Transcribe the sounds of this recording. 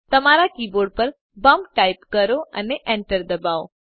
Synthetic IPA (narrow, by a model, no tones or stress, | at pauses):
t̪ɐmaːɾakiːboːɾɖ̚pɐɾ | bɐ̃mpʈaːɪpkɐɾoɐ̰neʔẽɳʈəɾd̪ɐbaːo̰ː